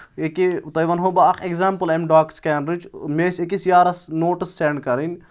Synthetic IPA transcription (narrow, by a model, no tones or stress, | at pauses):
ekit̪ɐjʋɐnɦobɐɐkʰekzaːmpəlemɖaːkskʲɛːnɾid͡ʒmeːsekisjaːɾɐsnoːʈɨsːeɳɖkɐɾinʲ